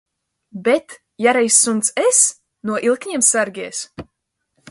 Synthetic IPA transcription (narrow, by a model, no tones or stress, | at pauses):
bɛt̪ | jaɾɛjsːunt̪ses | nuɔʔilˠkʲɲiɛmsaɾɡʲiɛs